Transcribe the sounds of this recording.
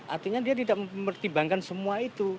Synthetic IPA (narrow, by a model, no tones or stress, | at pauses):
ʔa̰rt̪iɲadiat̪idaʔmərt̪ibaŋkansəmuait̪u